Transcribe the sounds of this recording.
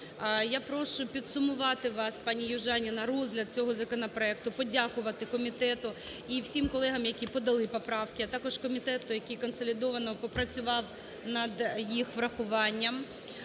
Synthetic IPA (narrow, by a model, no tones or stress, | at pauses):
japɾɔʃʊpʲid̪sʊmʊʋɑt̪ɪʋɑspɑnʲijʊʒɑnʲinɐrɔzɦlʲɐd̪̚t͡sʲɔɦɔzɐkɔnɐpɾɔɛk̚t̪ʊpɔdʲakʊʋɐt̪ɪkɔmʲit̪ɛt̪ʊ | iwsʲimkɔlˠɛɦɐmjɐkʲipɔd̪ɐlˠɪpɔpɾɑwkʲɪɐt̪ɑkɔʃkɔmʲit̪ɛt̪ʊjɐkʲikɔnsɔlʲɪd̪ɔʋɐnɔpɔpɾɐt͡sʲʊʋɑw | nɐd̪jixʋɾɐxʊʋɑnʲːɐm